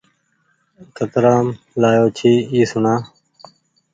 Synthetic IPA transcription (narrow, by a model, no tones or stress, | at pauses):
kət̪ɾãːm | laːjoːt͡ʃʰiːiːsʊɳãː